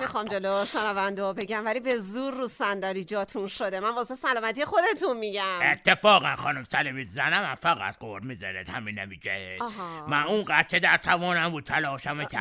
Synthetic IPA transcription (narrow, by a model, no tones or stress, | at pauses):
mixɒːmd͡ʒeloʃenævænd̪eɒbe̞ɟæmvælibezuɾːusænd̪ɒːɾiːd͡ʒɒːt̪ʰunʃod̪emænbɒːsesælɒːmæt̪ijexo̞d̪e̞t̪ʰunmiɟæmet̪ʰːefɒːɣænxɒ̰ːnumsælimizænæmænfæɣæ̰t̪̚ɡoɾmizæɾed̪hæminemid͡ʒʰee̥ɦmænũnɡæt̪̚cʰed̪æɾt̪ʰævɒːnæmbuːd̪̚t̪ʰælɒːʃæmet̪ʰæ̰